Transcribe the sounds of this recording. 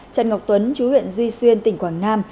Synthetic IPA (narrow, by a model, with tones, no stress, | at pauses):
t͡ɕa˨˩nŋa˨˩wk͡p̚t̪wə˨˦nt͡ɕu˨˦hwḭ˧˨ənzwi˧swi˧ənt̪ï˧˩ŋ̟kwaː˧˩ŋnaː˧m